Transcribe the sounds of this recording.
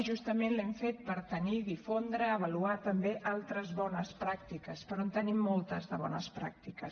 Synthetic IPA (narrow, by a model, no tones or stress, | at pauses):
ʒust̪əmenlɛmfet̪̚pəɾt̪əniðifond̪ɾəːβ̞əluat̪əmbeʔalˠt̪ɾəzβɔnəspɾak̚t̪ikəspəɾɔont̪ənimːolˠt̪əzðəβ̞ɔ̰nə̰spɾa̰k̚t̪ikəs